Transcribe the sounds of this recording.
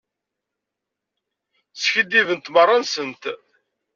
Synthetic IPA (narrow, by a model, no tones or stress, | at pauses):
sçəd̪ːivənt̪mərˤːɑnsənt̪